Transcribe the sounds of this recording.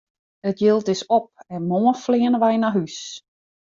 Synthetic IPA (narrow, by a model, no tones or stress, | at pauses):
ətjɪlˠtɪsop̚ɛmoːənflɪənəʋɛjnaɦys